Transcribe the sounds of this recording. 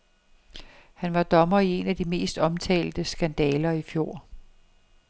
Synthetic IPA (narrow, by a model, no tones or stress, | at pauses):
hænʋɑ̈d̥ɒ̽mɐie̝næd̥ime̝̰ːsd̥ɒ̽mt͡sʰɛ̰ːld̥əsɡ̥ænd̥ɛːlɐifjo̝̰ː